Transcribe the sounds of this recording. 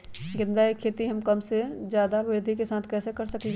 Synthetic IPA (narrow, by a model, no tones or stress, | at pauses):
ɡɪ̃nd̪aːikʰːeːt̪iɦɐmkəmsed͡ʒjaːd̪aʋɪɾd̪ʱikesãːt̪ʰkɛːsekəɾsəke